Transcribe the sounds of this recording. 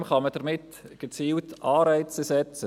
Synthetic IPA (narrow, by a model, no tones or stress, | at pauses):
mχɑməd̥əɾmɪt | ɡ̥ət͡siːltɑːɾaɪt͡səsɛt͡sə